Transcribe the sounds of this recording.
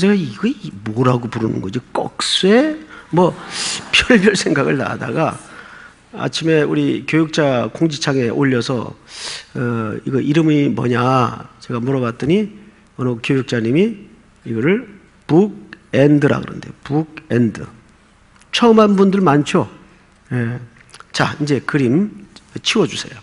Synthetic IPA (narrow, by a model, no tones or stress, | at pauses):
t͡ɕeɡaiɡʌmoɾaɡopuɾɯnɯ̰nɡʌd͡ʑik͈ʌ̰k̚s͈uemʌpʰjʌɭbjʌɭsʰe̞ŋɡaɡɯɭna̰da̰ɡa | a̰t͡ɕʰime̞uɾikjojuk̚t͡ɕ͈akoŋd͡ʑit͡ɕʰaŋe̞ʔoʎːʌsʰʌ̰ | ʌiɡʌʔiɾɯmimʌ̰ɲat͡ɕe̞ɡamuɾʌɡat̚t͈ɯɲi | ʌnʌkjojuk̚t͡ɕ͈aɲimi | iɡʌɾɯɭ | puɡ̚endɯɾa̰ɡɯɾʌ̰ndejopuɡ̚endɯ̰ | t͡ɕʰʌɯmɦanbundɯɭmant͡ɕʰo | je̞ | t͡ɕaind͡ʑekɯɾimt͡ɕʰiwʌd͡ʑusʰe̞jo